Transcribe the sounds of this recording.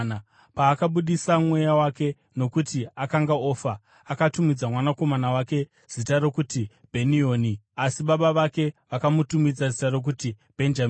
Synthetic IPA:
na | paːkaɓuɗisamwe̞jawake̞ | no̞kutiakaŋɡao̞ːfaː | katumid͡zamwanako̞manawake̞ | z̥itaɾo̞kuti | bʱe̞nio̞ːniasiɓaɓaʋake̞ʋakamutumid͡zazitaro̞k̬uti | b̥ʱe̞nd͡ʒam

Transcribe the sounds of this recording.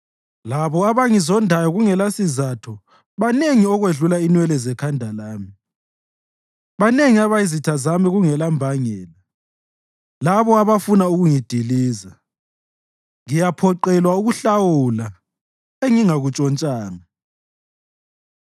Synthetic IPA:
laβɔaβaŋizɔndʱajɔɣuŋɛlasizatʰɔ | βaneŋiɔɣweɮulainwɛlɛzɛkʰandʱalaːmi | βaneŋiaβaizitʰazamiɣuŋɛlambʱaŋɛːla | laβɔaβafunauɣuŋid̥ʱiliːza | ŋijapʰɔǃɛlwauɣuɬawula | eŋiŋaɣut͡ʃʼɔnt͡ʃʼaːŋa

